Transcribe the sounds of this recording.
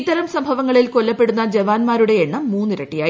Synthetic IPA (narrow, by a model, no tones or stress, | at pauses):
t̪ːɐɾɐmsɐmbʱɐʋɐŋːɐɭilkolːɐpːe̞ɽunːɐd͡ʑeʋaːnmaːɾuɽe̞eɳːɐmːuːnːɨɾɐʈːijaː